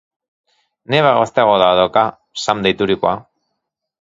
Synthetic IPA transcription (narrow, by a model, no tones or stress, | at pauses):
neβaɣost̪eaɣoðaoðaka | samd̪ejt̪uɾikoa